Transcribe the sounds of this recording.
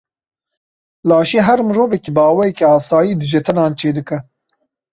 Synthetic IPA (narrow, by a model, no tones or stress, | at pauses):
lɑːʃeːɦæɾmɨɾoːvɛkiːbɑːwɛjɛkeɑːsɑːjiːd̪ɨʒɛt̪ʰɨnɑːnt͡ʃʰeːd̪ɨkɐ